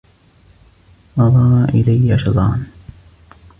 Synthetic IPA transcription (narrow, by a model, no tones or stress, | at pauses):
ʔɑðˤɑɾˤʔɪlajːaʃɑd̪ˤɑ̰ːn